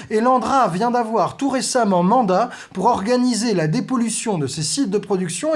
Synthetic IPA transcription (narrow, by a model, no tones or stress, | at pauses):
elɑ̃d̪ʁavjɛ̃d̪avwaʁt̪uʁesamɑ̃mɑ̃d̪a | puʁɔʁɡanizelad̪epɔlysjɔ̃d̪əsesit̪̚d̪əpχɔd̪yksjɔ̃